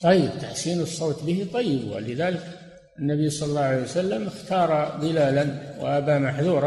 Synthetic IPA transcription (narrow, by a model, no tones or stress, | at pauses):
t̪ˤɑjːəbt̪aħsiːnəsˤːoːt̪bəhit̪ˤɑjːəbw̰lɪðalək | ənːæbijsˤɑllːɑʕalejwsalːəməxt̪ɑːɾˤɑd̪əlæːlanw̰ʔæbamaħðuːɾˤɑ